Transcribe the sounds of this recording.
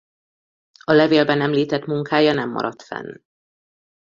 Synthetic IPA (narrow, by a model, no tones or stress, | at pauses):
ɒlɛveːlbɛnɛmliːt̪ɛt̪muŋkaːjɒnɛmːɒ̰ɾɒt̪fɛ̰n